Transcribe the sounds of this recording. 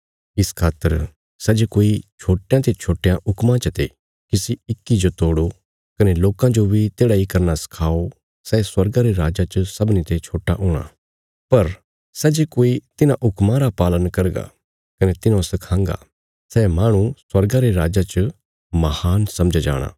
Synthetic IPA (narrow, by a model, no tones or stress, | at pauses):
ɪskʰaːt̪əɾ | sɛd͡ʒekoːit͡ʃʰoːʈːejãt̪et͡ʃʰoːʈːejãʔʊkmãt͡ʃət̪e | kisiɪkːid͡ʒot̪oːɽo | kɐneloːkãd͡ʒobʱit̪eːɽaikɐɾnasɐ̥kʰaːo | sɛːswɐɾɡãɾeɾaːd͡ʒat͡ʃəsɐbnit̪et͡ʃʰoːʈaʔʊːɽ̃a̰ː | pɐɾ | sɛːd͡ʒekoːit̪ɪnãʔʊkmãɾapaːlənkɐɾɡa̰ | kɐnet̪ɪnãsɐkʰãːŋɡa̰ | sɛːmaːɽ̃ũswɐɾɡãɾeɾaːd͡ʒat͡ʃə | mɐhaːnsɐ̃md͡ʒad͡ʒa̰ːɽ̃a̰ː